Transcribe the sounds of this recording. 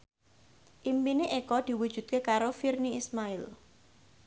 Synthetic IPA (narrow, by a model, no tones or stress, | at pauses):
ʔimpineʔekɔd̪̥i̤wud̥ʒ̥ṳt̪̚kekaɾofirniismaɪl